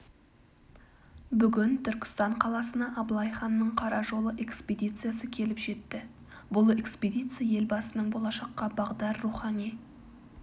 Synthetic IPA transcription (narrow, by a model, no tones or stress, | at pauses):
bʏɡʲɪnt̪ʰʏɾkʲɪ̥st̪ɑɴqʰɑlˠɑsənɑʔɑblˠɑjχɑnːəɴqʰɑɾɑʒo̞lˠəʔe̞kspʲed̪ʲijt̪sɨjasəkʲʰe̞lɪpʒe̞t̪ːɪ | bʊlˠe̞kspʲed̪ʲijt̪sɨjaje̞lbɑsənəɴbo̞lˠɑʃɑqːɑbɑʁd̪ɑɾːuχɑni